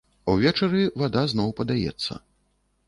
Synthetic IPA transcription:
ɐwvʲɛt͡ʂɐɾɨvad̪azn̪ɔwpɐd̪ajɛ̰t̪sːɐ̰

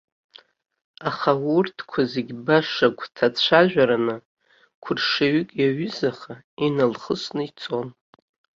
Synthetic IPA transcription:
aχawurtʰkʷʰazeɡʲbaʂakʷʰʼtʰat͡ɕʷʰaʒᶣʷaɾanɨ | kʷʰʊrʂaɥʏkʼjaɥʏzaχa | inalχəsnɨit͡sʰʼo̞n

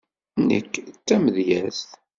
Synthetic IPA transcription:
nə̰kːt͡sːæməðjæθθ

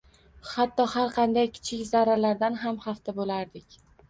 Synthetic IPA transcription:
hat̪ʰːɒhaɾqʰɑnd̪ajkʲʰɪ̥t͡ʃʰɪkʲzaɾalaɾd̪anɦamhaft̪ʰabolaɾd̪ɪkʲ

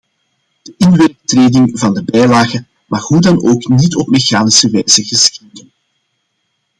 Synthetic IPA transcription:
d̥əʔɪnʋetreːdɪŋvɑndəbɛjlaːɣə | mʔɑxɦudɑnoːknitɔp̚mexaːnisəʋɛjzəɣəsxidən

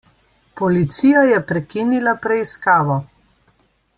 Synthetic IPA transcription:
pɔlit̪sijajɛpɾɛkinilapɾɛiskaːʋɔ

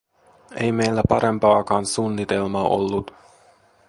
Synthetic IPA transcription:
e̞jme̞jlːæpɑɾe̞mpɑːkɑːnsunːit̪elmɑʔo̰lːut̪

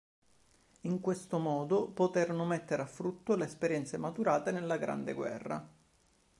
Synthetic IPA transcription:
iŋkwest̪omɔːd̪opot̪eɾonʊmet̪ːeɾeafːɾut̪ːoleːspeɾjɛnt̪semat̪uɾaːt̪enelːaɡɾa̰nd̪ḛɡwɛ̰rːa̰

